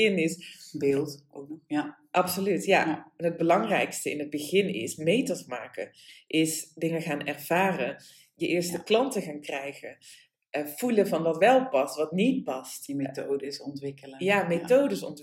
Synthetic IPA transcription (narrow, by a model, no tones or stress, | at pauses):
ɪnɪsblˠt | ʔɑpsolytjaɛnɦəd̚bəlɑŋrɛjkstəɪ̰nɦəd̚bəɣɪnɪ̰smejtəsma̰ːkə̰ | ʔɪsdɪŋəχaːnɛrv̥aːrən | jəʔɪːɹstəklɑntəχaːnkrɛjɣən | v̥uləvɑnʋɑtʋɛlˠpɑstʋɑtnit̚pɑstetodəsɔntʋɪkləjjaːmetowdəsɔ̰nt